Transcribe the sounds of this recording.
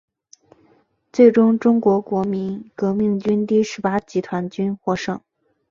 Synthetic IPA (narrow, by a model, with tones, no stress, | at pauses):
t͡swe˥˩ɪʈ͡ʂʊ˥ŋʈ͡ʂʊ˥ŋkwɔ˧˥kwɔ˧˥mi˧˥nkɤ˧˥mi˥˩ŋt͡ɕy˥nt̪i˥˩ʂɻ̩˧˥pa˥t͡ɕi˧˥t̪ʰwa˧˥nt͡ɕy˥nxwɔ˥˩ʂɤ˥˩ŋ